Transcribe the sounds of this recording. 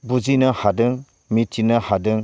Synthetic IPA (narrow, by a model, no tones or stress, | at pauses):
bud͡ʒinəhadɯŋ | mitːinəhadɯŋ